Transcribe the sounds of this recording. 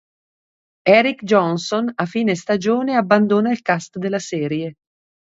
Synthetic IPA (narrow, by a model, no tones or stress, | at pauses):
ɛːɾikd͡ʒɔnsonafiːnest̪ad͡ʒoːneabːand̪oːnailkast̪d̪elːasɛːɾje